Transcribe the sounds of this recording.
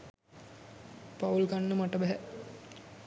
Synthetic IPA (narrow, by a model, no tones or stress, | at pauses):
paulɡanːəmaʈəbæɦæ